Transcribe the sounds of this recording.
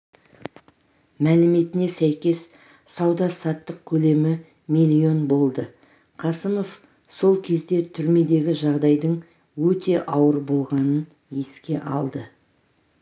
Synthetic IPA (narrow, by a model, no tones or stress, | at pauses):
mælɪme̞t̪ɪne̞sæjkʲe̞s | sɑwd̪ɑsɑt̪ːəq̚kʲʰɵle̞mɪ | milʲio̞nbo̞lˠd̪ə | qʰɑsəmo̞f | so̞lˠkʲʰe̞zd̪e̞t̪ʰʏɾme̞d̪e̞ɡʲɪʒɑʁd̪ɑjd̪əɴ | wɵt̪e̞ʔɑwəɾbo̞lˠʁɑnən | e̞skʲe̞ʔɑ̰lˠd̪ə